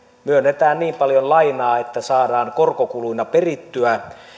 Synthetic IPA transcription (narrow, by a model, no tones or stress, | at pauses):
myønːet̪æːnniːmpɑljonlɑinɑːet̪ːæsɑːdɑːŋkorkokuluinɑperit̪ːyæ